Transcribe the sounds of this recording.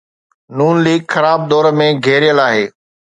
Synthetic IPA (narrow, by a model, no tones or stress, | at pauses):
nuːnliːɡxɐɾaːb̚d̪ɔːɾmẽɡʱeːɾɪjəlaːɦeː